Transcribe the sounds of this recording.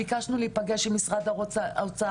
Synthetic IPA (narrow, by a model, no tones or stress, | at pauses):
ikaʃnulipaɡeʃemisʁad̪at͡sa